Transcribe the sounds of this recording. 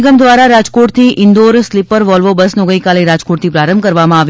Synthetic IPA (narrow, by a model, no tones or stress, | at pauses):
ɡəmd̪ʋaɾaɾad͡ʒkoʈt̪ʰiʔɪnd̪oɾslɪpəɾʋɔlʋobəsnoɡəikaleɾad͡ʒkoʈ̚t̪ʰipɾaɾəmbkəɾʋamãaʋ